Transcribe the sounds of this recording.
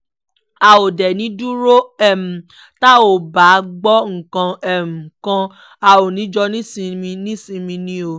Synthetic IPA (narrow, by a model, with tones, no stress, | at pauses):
a˧o˨dɛ˨nĩ˨˦du˦ɾo˦ɛ˦˨m̩˨ | ta˦o˨ba˨˦ɡ͡bɔ˦ŋ̩˨kã˧ɛ˨m̩̃˨kã˧ | a˨o˨nĩ˨˦d͡ʒɔ˧nĩ˦sĩ˧mĩ˧nĩ˦sĩ˧mĩ˧nĩ˦o˧˨